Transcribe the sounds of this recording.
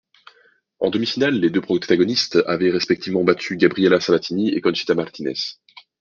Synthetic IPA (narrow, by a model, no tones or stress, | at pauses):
ɑ̰̃d̪əmifinalːed̪øpχɔt̪aɡɔnist̪avɛʁɛspɛk̚t̪ʰivmɑ̃bat̪ʰyɡʲabʁijɛlasavat̪iniekɔnʃi̥t̪amaʁt̪inɛ̰s